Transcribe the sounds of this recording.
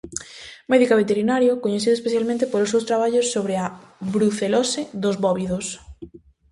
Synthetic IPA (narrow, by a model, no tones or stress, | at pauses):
mɛðikaβet̪eɾinaɾjokoɲeθiðoespeθjalmẽnt̪̬epolosewst̪ɾaβ̞aʎosːoβɾea | βɾuθelɔsɪðozβɔβiðos